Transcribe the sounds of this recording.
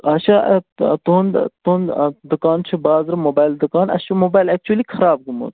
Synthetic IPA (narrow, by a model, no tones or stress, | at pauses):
ɐʃɐt̪unt̪ond̪ukaːnt͡ʃʰubaːzɾmoːbaːjld̪ukaːnɐ̰ʃɐmobaːjlek̚t͡ʃuɐlikʰɐɾaːb̚ɡumo̰ːt̪